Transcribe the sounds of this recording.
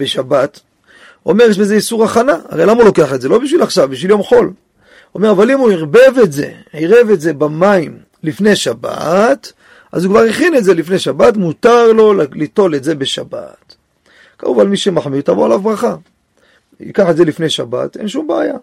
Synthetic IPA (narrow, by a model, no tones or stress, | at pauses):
beʃabat | o̞̰me̞ʁjeʃbeze̞isuʁaχanaa̰ʁejlamaulo̞ke̞aχetze̞lo̞biʃ̬vilaχʃavbiʃviljo̞mχo̞l | ome̞ʁavalimuiʁbe̞vetze̞̰ʕiʁe̞ve̞tze̞bamaim | lifne̞ʃaba̰t | ʔa̰zukvaʁeχinetze̞lifneʃabatmutaʁlo̞llito̞le̞tze̞be̞ʃa̰ba̰t | ka̰ʁuvalmiʃemaħmidt̪avoalavʁaχa | ḭkaħetze̞lifne̞jʃaba̰t̪e̞̰nʃumbea̰ja